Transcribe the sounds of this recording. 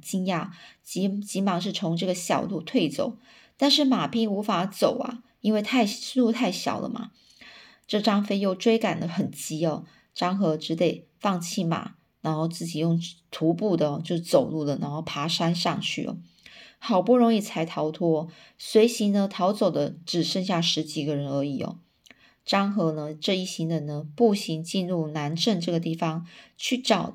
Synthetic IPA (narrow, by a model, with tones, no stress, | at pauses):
t͡ɕi˥nja˥˩t͡ɕi˧˥t͡ɕi˧˥mɑ˨˩ŋʂ̬ɻ̩˥˩t͡sʰo˧˥ŋʈ͡ʂɤ˥˩ɡə˩ɕjɑ̰˨˩ʊlu˥˧t̪ʰwe˥˩ɪt͡so̰˨˩ʊ | t̪a˥˧nʂ̬ɻ̩˥˩ma˨˩pi˥˩ŋu˧˥fa˧˥t͡so˨˩ʊa̰˨˩ | i˥nwe˥˧ɪt̪ʰa˥˧ɪ˥˧˥lu˥˧t̪ʰa˥˩ɪɕjɑ̰˨˩ʊlə̰˦ma̰˨˩ | ʈ͡ʂɤ˥˩ʈ͡ʂɑ˥ŋfe˥ɪjo˥˩ʊʈ͡ʂwe˥ɪka˨˩nd̪ə˦xə˨˩nt͡ɕi˧˥ɔ˨˧ | ʈ͡ʂɑ˥ŋxɤ˧˥ʈ͡ʂɻ̩˧˥t̪e˨˩ɪfɑ˥˧ŋt͡ɕʰi˥˩ma̰˨˩˦ | na˧˥nxo˥˧ʊt͡sɹ̩˥˩t͡ɕi˨˩jʊ˥˩ŋt̪ʰu˧˥pu˥˩d̪ə˩˦t͡ɕjo˥˧ʊʂɻ̩˥˧˩t͡so˨˩ʊlu˥˩d̪ə˩na˧˥nxo˥˩ʊpʰa˧˥ʂa˥nʂɑ˥˧ŋt͡ɕʰy̰˥˩ɔ̰˨˩ | xɑ˨˩ʊpu˥˩ɻo˧˥ŋi˥˩t͡sʰa˧˥ɪt̪ʰɑ˧˥ʊt̪ʰwɔ˥˧ | swe˧˥ɪɕi˧˥nə˧t̪ʰɑ˧˥ʊt͡so˨˩ʊd̪ə˦ʈ͡ʂɻ̩˨˩ʂə˥˧ŋɕ̬ja˥˩ʂɻ̩˧˥t͡ɕi˨˩ɡə˦ɻə˧˥nə˞˧˥ḭ˨˩ɔ̰˦ | ʈ͡ʂɑ˥ŋxɤ˧˥nə˧ʈ͡ʂɤ˥˧i˥˩ɕi˧˥ŋd̪ə˧˦nə˧pu˥˩ɕi˧˥ŋt͡ɕi˥˧nlu˥˩na˧˥nʈ͡ʂə˥˧nʈ͡ʂɤ˥˩ɡə˩t̪i˥˩fɑ˥ŋt͡ɕʰy˥˩ʈ͡ʂɑ˨˩ʊ